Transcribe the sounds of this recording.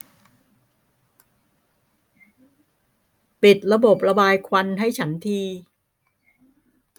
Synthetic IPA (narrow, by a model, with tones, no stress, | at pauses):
pi˨˩t̪̚ɾa˧bo˨˩p̚ɾa˧baː˧jkʰwa˧nɦa˥˩jt͡ɕʰa˦˥nt̪ʰiː˧